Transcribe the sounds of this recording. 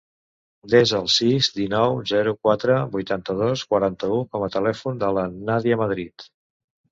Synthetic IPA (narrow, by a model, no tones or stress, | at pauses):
d̪ɛzəlˠsizd̪inɔwzɛɾukwat̪ɾəbujt̪ant̪əð̞oskwəɾant̪əukɔmət̪əlɛfund̪ələnaðiəməð̞ɾit̪